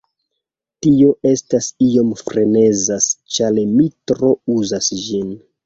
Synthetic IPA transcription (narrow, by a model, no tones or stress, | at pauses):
tio̞ʔe̞stasio̞mfɾe̞ne̞zast͡ʃalemitɾo̞uzasd͡ʒin